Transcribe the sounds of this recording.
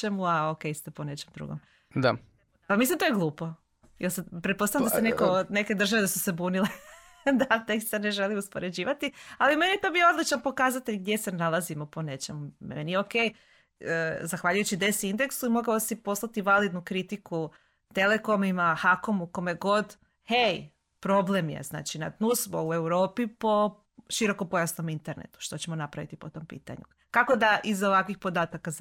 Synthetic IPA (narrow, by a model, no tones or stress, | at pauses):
emuaokejst̪eponet͡ʃemd̪ɾṵːɡom | d̪a̰ | pamislimt̪ojeɡlˠuːpo̞ | jelsapɾet̪posajamd̪assenekoneke̞d̪r̩ʒaʋed̪asuse̞buːnile | d̪at̪ekst̪ane̞ʒeliuspoɾed͡ʑiːʋat̪ialime̞nijet̪o̞biood̪lit͡ɕanpo̞kaːzat̪eʎɡd̪je̞se̞nalˠazimopo̞ne̞t͡ʃe̞mum̰enijeokej | əzaxʋaʎujut͡ɕid̪e̞sind̪e̞ksuimo̞ɡaosipo̞slˠat̪iʋalid̪nukɾit̪iku | t̪e̞le̞ko̞mimaxako̞muko̞mjeɡo̞d̪ | hej | pɾo̞ble̞mjḛzna̰ːt͡ʃina̰t̪nusmoue̞wɾoːpipo̞ | ʃiɾo̞kopo̞jasno̞mint̪e̞ɾnḛt̪u̥ʃt̪o̞t͡ɕe̞mo̞napɾaʋḭt̪ipo̞t̪o̞mpḭːt̪a̰ɲṵ | kako̞d̪aʔizoʋakʋixpo̞d̪aːt̪aka